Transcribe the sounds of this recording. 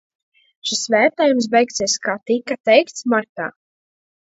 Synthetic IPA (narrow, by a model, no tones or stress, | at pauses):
ʃisvæːɾt̪ɛːjums̬bɛjk̚t̪siɛskaːt̪ikat̪ɛjkt̪smaɾt̪a̰ː